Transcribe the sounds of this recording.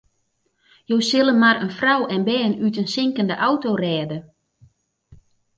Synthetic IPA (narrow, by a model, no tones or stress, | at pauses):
jowsɪlˠənmaɾənfrawɛnbɛːnytənsɪŋkəndəʔawtoːrɛːdə